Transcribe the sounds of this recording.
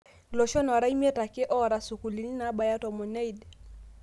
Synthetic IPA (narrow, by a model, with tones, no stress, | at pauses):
lɔ˨ʃɔ˦nɔ˨ɾa˦i˦m˦ɛ˦ta˨kɪ˦ʔɔ˦ɾa˨su˨ku˨li˨ni˦na˨˦ba˨ja˦tɔ˨mɔ˨na˦i˦d